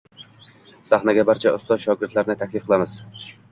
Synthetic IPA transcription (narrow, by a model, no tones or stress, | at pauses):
saχnaɡʲabaɾt͡ʃʰaʊst̪ɒzʃɒɡʲɪɾt̪laɾnɪt̪ʰakʲlɪfqʰɨlˠamɪz̥